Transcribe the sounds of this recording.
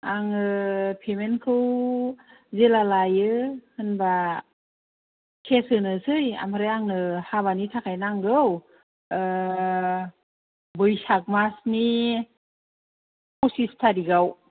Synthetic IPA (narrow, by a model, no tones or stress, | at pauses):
aŋɯpʰemenkʰɯw | zelalajɯhɯnba | kʰesɯnɯsɯja̰maɾɯaŋnɯhaβanitʰakʰajnaŋɡɯw | bɯjsak̚masni | pusistʰadiɡaw